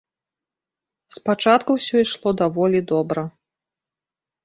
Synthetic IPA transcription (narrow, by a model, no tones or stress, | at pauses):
spat͡ʂat̪kuwsʲɔiʂlˠɔd̪avɔlʲid̪ɔbɾɐ